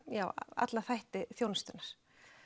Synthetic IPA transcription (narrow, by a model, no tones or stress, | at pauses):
jaːwa̰t̪laθajht̪ɪθjownast̪ʏnaɾ̥